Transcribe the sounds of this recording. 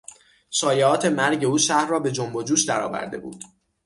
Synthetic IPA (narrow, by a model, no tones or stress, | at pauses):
sɒːjeɒːt̪ʰe̞mæɾɟe̞uːʃæhrɒːbe̞d͡ʒombod͡ʒuːʃd̪æɾɒ̰ːvæ̰ɾd̪e̞bṵːd̪̥